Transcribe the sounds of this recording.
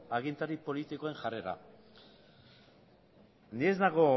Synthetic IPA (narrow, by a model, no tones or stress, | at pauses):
aɣint̪aɾipolit̪ikoe̞nʝareɾa̰ | nie̞zd̪aɣo